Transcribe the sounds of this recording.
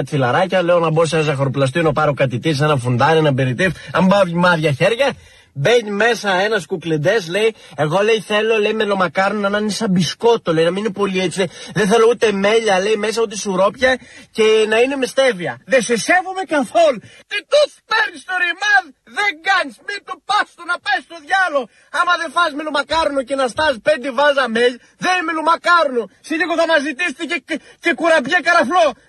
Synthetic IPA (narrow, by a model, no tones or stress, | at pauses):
t̪iθilɐɾɐcɐle̞onɐbos̬enɐsɐxoɾoplɐs̬t̪ionɐpɐɾo̞kɐt̪it̪is̬enɐfund̪ɐɾenɐbeɾit̪ifɐmbɐoimɐðʝɐçe̞ɾʝɐ | be̞ɲime̞sɐe̞nɐskukled̪e̞sle̞ie̞ɣo̞le̞jθe̞lo̞le̞jmelo̞mɐkɐɾonɐnɐnesɐbisko̞t̪olejnɐmininepo̞liet͡sieðenθelout̪e̞me̞ʎɐle̞jme̞s̬ɐpot̪isuɾo̞pçɐce̞nɐinemest̪e̞viɐðe̞sese̞vume̞kɐθo̞lt̪it̪otpeɾnist̪oɾimɐð | ðeŋɡɐɲismit̪opɐst̪onɐpɐjst̪o̞ðʝɐlo̞ | ɐmɐðe̞fɐzmilumɐkɐɾnuce̞nɐst̪ɐspe̞nd̪evɐzɐmeʎ | ðenmilumɐkɐɾnusiliɣoθɐnɐzit̪ist̪ice | ce̞kuɾɐbʝekɐɾɐflo̞